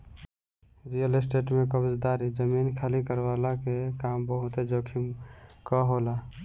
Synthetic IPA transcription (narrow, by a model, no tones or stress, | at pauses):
ɾijəlesʈeʈmekəbd͡ʒd̪aɾid͡ʒəminkʰalikəɾbalakekambəɦut̪ed͡ʒokʰimkɔɦola